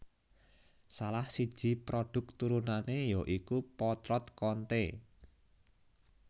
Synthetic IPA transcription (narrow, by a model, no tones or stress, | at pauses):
salahsid̥ʒ̥i̤pɾoɖ̥ʊ̤k̚t̪uɾunanejoʔikupɔt̪ɾɔt̪kɔnt̪e